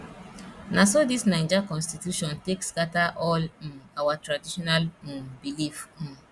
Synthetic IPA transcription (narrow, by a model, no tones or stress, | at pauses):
nasodisnãɪ̃d͡ʒakɔ̃nstitjuʃɔ̃ntekskataʔɔl̩awatɹadiʃɔnal̩bilif̩